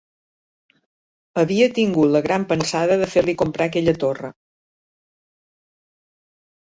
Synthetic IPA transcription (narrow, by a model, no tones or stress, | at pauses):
əβiət̪iŋɡut̪ləɣɾampənsaðəðəfeɾlikumpɾʔakɛʎət̪orə̰